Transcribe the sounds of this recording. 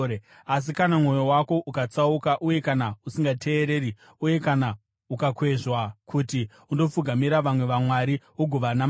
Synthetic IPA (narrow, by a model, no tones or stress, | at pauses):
as̬ikanamŋo̞jo̞wako̞ʔukat͡saukaʔuje̞kanausiŋɡatʰe̞ːɾe̞ːɾi | uje̞kana | ukakwe̞ʐwakʰuti | undo̞fuɡʱamiɾaʋamwe̞ʋamwaɾi | uɡʱoʋanam